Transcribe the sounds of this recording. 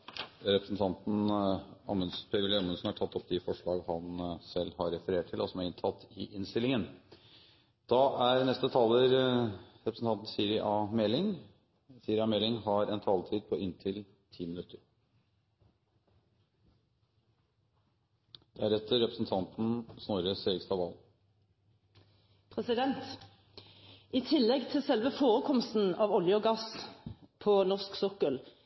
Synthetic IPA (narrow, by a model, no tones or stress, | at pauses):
ɾɛpɾəsn̩t̪ʰɑnt̪n̩ɑ̰mənspʰɛɛlɛɑmənsn̩hɑʈʰɑt̪ːɔpːd̪ɪfɔʂɭɑːɡhɑnsɛlːhɑɾːɛfəɾeːʈʰːɪlɔsɔmæɾɪnt̪ʰɑt̪ːɪʔɪnst̪ɪlːɪŋən | d̪̥ɑʔæɾnɛst̪ət̪ʰɑːləɾɾɛpɾəsn̩t̪ɑnt̪n̩sɪɾɪʔɑmɛlːɪŋ | siɾɪɑːmɛlɪŋɦɑɾɛnt̪ʰɑːlt̪ʰiːd̪̚pʰɔʔɪnt̪ʰɪl | t̪ʰiːmɪnʉt̪əɾ | d̪̥æɾɛt̪ʰːəɾɛpɾəsn̩t̪ʰɑnt̪n̩snɔɾəseːɾɪɡst̪ɑʋɑ̰l | pʰʁɛsɪd̪ɛnt̪ | ʔiːt̪ʰɪlːɛɡt̪ʰɪlsɛlʋəfoːʁəkʰɔmst̪n̩ɑʋɔljəɔɡɑs | pʰɔnɔʁsksɔkəl